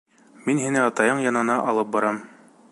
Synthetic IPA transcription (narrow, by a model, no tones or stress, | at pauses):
minɦinɘɑt̪ɑjɤɴjɑnɤ̆nɑʔɒlˠɤp̚bɑɾɑm